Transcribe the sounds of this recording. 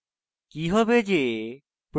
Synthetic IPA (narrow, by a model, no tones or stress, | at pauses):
kiɦɔbed͡ʑe | pɾ